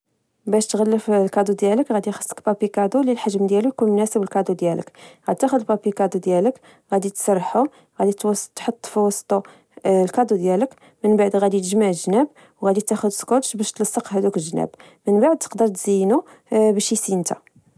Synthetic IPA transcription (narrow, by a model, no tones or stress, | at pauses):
bæʃt̪ɣælːəflkɑd̪ud̪jæləkɣæd̪ixə̥sˤːə̥kbɑpikɑd̪ulilħaʒmd̪jælujkunmʊnæsəbəlkɑd̪ud̪jælə̰kɣæd̪t̪ːæxʊd̪əlbɑpikɑd̪ud̪jælək | ɣæd̪it̪sɑrˤːħu | ɣæd̪it̪t̪ħot̪ˤːfiwɑsˤːt̪ˤu | lkɑd̪ud̪jælək | mənbaʕd̪ɣæd̪it̪əʒmaʕəʒnæb | wɣæd̪it̪æxʊd̪skot̪ʃbæʃt̪lɑsˤːɑqɦæd̪ukəlʒnæ̰b | mənbaʕd̪̚t̪ə̥qd̪əɾˤt̪z̥əjːnu | bæʃisint̪æ